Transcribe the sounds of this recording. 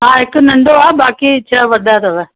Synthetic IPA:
ɦãːɦɪkʊnɐ̃ɳɖoabaːkit͡ʃʰaʋɐɗ̪ʱaɾɐʋɛ

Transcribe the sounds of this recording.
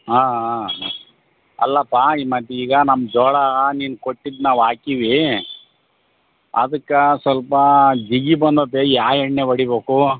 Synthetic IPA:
ɦaː | ɐ̰lːɐpːaːiːmɐt̪ːiiːɡɐnɐmːd͡ʒɔːɽaɐniːnkoʈːid̪naːʋaːkiʋi | ɐd̪ɐkːɐsʋɐlpɐd͡ʒiɡibɐnd̪opeːjaːjɛɳneʋɐɽibeːku

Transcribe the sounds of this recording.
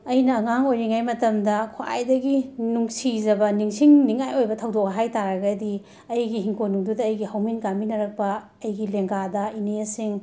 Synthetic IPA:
ɐjnɐːŋaŋojɾiŋajmɐtɐmdɐkʰoa̰jdɐɡinuŋsizɐbɐniŋsiŋniŋajojbɐtʰɐwdok̚ɐɦajtaɾɐɡɐdi | ɐjɡiɦiŋkʰonuŋdudɐːjɡihɐwminkaminɐɾɐk̚pɐː | jɡileŋɡadɐinesiŋ

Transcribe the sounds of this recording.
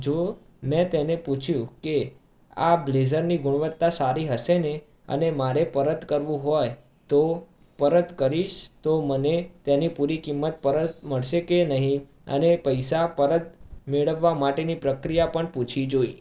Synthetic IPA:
d͡ʒo | mɛ̃t̪eneput͡ʃʰjũke | ablezəɾniɡʊɳ̃ʋət̪ːasaɾiɦəʃene | ə̰nemaɾepəɾəd̪kəɾʋũɦɔj | t̪o | pəɾəd̪kəɾiʃt̪omənet̪enipuɾikimːət̪̚pəɾət̪məɭʃekenəɦĩ | ə̰nepəjsapəɾəd̪meɭəʋːamaʈenipɾəkɾijapəɳput͡ʃʰid͡ʒoi

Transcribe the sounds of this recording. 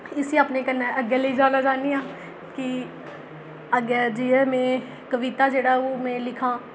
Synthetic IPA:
ɪsiaːpnẽkənəəɡɛləid͡ʒaːlad͡ʒaːnijaː | ki | əɡɛd͡ʒiɛmẽː | kəʋit̪aːd͡ʒeːɽaːoːmẽːlɪkʰãː

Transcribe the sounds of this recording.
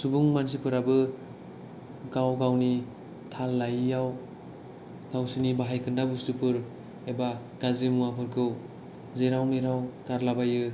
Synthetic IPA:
subuŋmans̬ipʰɯɾabɯ | ɡawɡawni | tʰalːajːaw | ɡ̥awsinibaɦajkʰɯndabustɯpʰɯɾ | eba | ɡ̥azimuwapʰɯɾkʰɯw | zeɾawmiɾawkaɾlabajɯ

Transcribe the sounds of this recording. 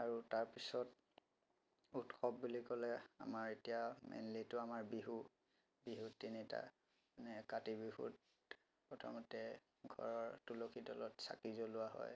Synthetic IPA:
aɹutaɹpisɔt | utxʰɔbːulikɔlɛa̰maɹetijamɛ̰nlitʊamaɹbiɦu | biɦutinita̰ | anɛkatibiɦṵt | pɹɔtʰa̰mɔtɛ | ɡʱɔ̰ɹɔɹtulokʰidɔlɔtsa̰kizɔlʊwaɦɔ̰j

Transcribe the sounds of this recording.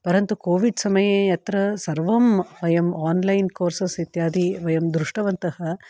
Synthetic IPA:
pɐɾɐnt̪ukoːʋiɖsɐmɐjeːjɐt̪ɾɐsɐɾʋɐmʋɐjɐmaːnlɐjnkoːɾsɐsit̪jaːd̪ʱiʋɐjɐmd̪ɾuʂʈɐʋɐnt̪ɐhɐ

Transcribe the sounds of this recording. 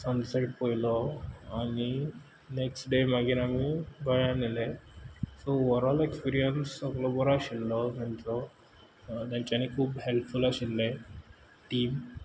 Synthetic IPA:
sənseʈ̚pojlɔani | neksʈɖemaɡinamibajanilesooʋəɾɔlekspiɾijənsɔklobɔɾaɕilːɔnent͡so | d̪aɲt͡ɕanikʰuːbhelpfulaɕilːe | ʈiːm

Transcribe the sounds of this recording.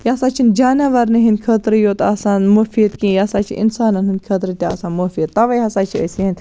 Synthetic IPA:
jasaːt͡ʃʰind͡ʒaːnɐʋɐɾniɦind̪kʰɐt̪ɾɨjoːt̪ɐːsaːnmofiːd̪kĩːjaːsaːt͡ʃʰḭʔḭnsaːnɐnɦinkʰɐt̪ɾɨt̪ʲːɐ̰saːnmofiːd̪̚t̪ːɐʋɐjɦɐsaːt͡ʃʰiɐsiɦind̪

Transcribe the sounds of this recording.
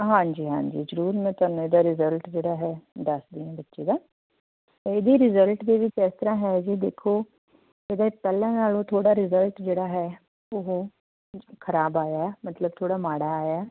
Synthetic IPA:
ɦãːɲd͡ʒiːɦã̰ːɲd͡ʒḭːzəɾuːɾmɛ̃ːt̪aːnːũeːd̪aːɾɪzəlʈd͡ʒeːɽaːɦɛːd̪əsd̪iːɛ̃ːbətːʃeːd̪aː | eːd̪iːɾɪzəlʈd̪eːʋɪt͡ʃɛːst̪əɾãːɦɛːd͡ʒiːd̪eːkʰoː | ed̪aːpɛːlɛ̃ːnaːloːt̪ʰoːɽaːɾɪzəlʈd͡ʒeːɽaːɦɛː | oɦ | kʰəɾaːbaːjaːɛmət̪ləb̚t̪ʰoːɽaːmaːɽaːaːjaːɛː

